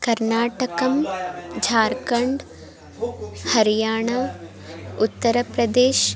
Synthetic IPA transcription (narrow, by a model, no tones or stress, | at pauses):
kɐɾnaːʈɐkɐmd͡ʒʱaːɾkɐɳɖ | hɐɾijaːɳ̃a | ʊt̪ːɐɾəpɾɐd̪eːʃ